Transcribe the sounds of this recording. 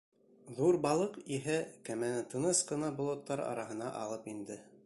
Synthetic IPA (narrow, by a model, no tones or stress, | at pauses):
ðuɾbɑlˠɤqiɦækæmænɘt̪ɤ̆nɤsqɤ̆nɑbŏlˠŏt̪ːɑɾɑ̰ɾɑɦɤ̆nɑʔɑ̰lˠɤpind̪ɘ